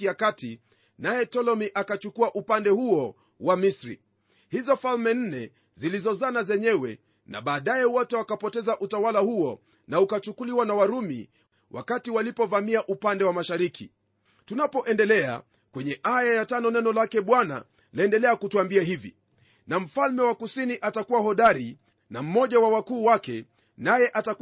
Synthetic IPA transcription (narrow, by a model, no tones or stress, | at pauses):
ijakati | najɛtɔlɔmiʔakat͡ʃukuaʔupandɛhuɔ | wamisɾḭ | hizɔfalmɛn̩nɛ | zilizɔzanazɛɲɛwɛ̰ | nʔa̰ɓaːɗajɛwɔtɛwakapɔtɛzaʔutawalahuɔ | naukat͡ʃukuliwanawaɾumḭ | wʔa̰katiwalipɔvamiaʔupandɛwamaʃaɾikʰḭ | tunapɔʔɛndɛlɛa̰ | kwɛɲɛʔajajatanɔnɛnɔlakɛɓwana̰ | laɛndɛlɛakutuambiaɦivḭ | nam̩falmɛwakusiniʔatakuwahɔɗaɾi | nam̩mɔʄawawakuːwakɛ̰ | najɛʔata